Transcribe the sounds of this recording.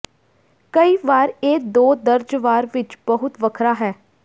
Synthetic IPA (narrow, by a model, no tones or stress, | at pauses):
kəiːʋaːɾeːd̪oːd̪əɾd͡ʒʋaːɾʋɪt͡ʃbəɦʊt̪ʋəkʰɾaːɦɛː